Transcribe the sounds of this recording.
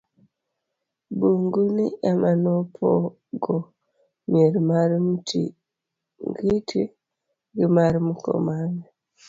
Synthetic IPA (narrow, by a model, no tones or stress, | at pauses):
buŋɡuniamanopʰɔ̰ | ɡɔ | mieɾimaɾimutḭ | ŋɡitʰi | ɡimaɾimukɔ̰mane